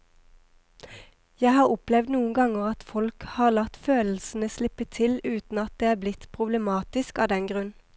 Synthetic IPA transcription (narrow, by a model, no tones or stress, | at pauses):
jæɪhɑːʁʊplɛʋd̪nuːəŋ̩ɡɑŋəʁɑt̪fɔlkhɑːʁlɑt̪føːll̩sn̩əslɪpət̪ʰɪlʉːt̪n̩ɑt̪̚d̪eːæːblɪt̪pʰʁʊblɛmɑːt̪ɪskɑːd̪ɛnɡʁʉn